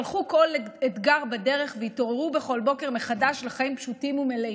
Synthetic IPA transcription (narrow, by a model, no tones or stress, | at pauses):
lχuko̞let̪ɡaʁbade̞ʁeχveito̞ʁeʁube̞χo̞lbo̞ke̞ʁmeχadaʃleχaimpʃutimumele